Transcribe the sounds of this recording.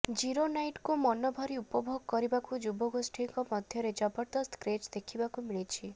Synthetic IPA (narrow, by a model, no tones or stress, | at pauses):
d͡ʒiɾonajʈkumɔnɔbʱɔɾiupɔbʱoɡkɔɾibakud͡ʒubɔɡosʈʰiŋkɔmɔd̪ʱjɔɾed͡ʒɔbɔɾd̪ɔst̪kɾed͡ʒd̪ekʰibakumiɭit͡ʃʰi